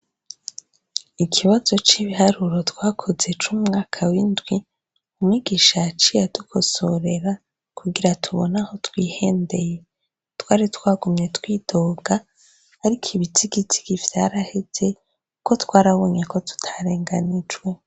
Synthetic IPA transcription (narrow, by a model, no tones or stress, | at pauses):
ikʰiβazo̞t͡ʃiβiɦaɾuɾo̞twaːkʰo̞ze̞t͡ʃumŋaːkʰawindɡwi | umwiːɡiʃat͡ʃijadukʰo̞so̞ɾe̞ɾa | kuɡiɾatʰuβonaho̞twiːhe̞ːnde̞je̞ | twaːɾitwaːɡumɲe̞twiːtʰoːɡaː | ɾikʰiβitʰiɡiti̥ɡiv̥jaːɾahez̥e̞ | ko̞twaːɾaβo̞ːɲe̞ko̞tu̥tʰḁɾe̞ːŋɡanid͡ʒwe̞